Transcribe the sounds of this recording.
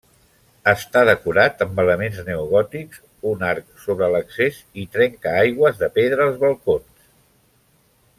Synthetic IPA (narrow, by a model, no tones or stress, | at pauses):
əst̪aðəkuɾat̪əmbələmenznəuɣɔt̪ikz | unaɾksoβɾələksezit̪ɾɛŋkəajɣwəzðəpeðɾəːlˠzβəlˠkons